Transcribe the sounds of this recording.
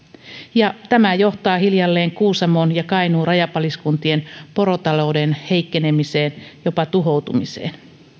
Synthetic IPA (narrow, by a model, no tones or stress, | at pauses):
jɑt̪æmæjo̞ht̪ɑːhiljɑlːe̞ːŋkuːsɑmonjɑkɑjnuːrɑjɑpɑliskunt̪ienpo̞ɾo̞t̪ɑlo̞wdenhe̞jkːene̞mise̞ːnjo̞pɑt̪uɦo̞wt̪umisḛːn